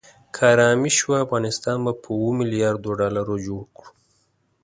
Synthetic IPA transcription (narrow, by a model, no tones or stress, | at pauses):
kʰɑːɾɑːmiʃwaafɣɑːnɪst̪ɑːnbapʰəwomɪlijɑːɾd̪oɖɑlaɾod͡ʒoːɽkɽu̥